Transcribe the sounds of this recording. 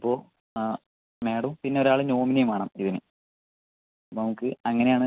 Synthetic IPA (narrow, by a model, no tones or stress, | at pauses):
ipːo̞ː | me̞ːɽɐmpinːe̞o̞ɾaːɭɨno̞ːminɐjumaːɳɐ̰ːmiðinɨ | ɐpːonɐmukːɨɐŋːɐne̞jaːɳɨ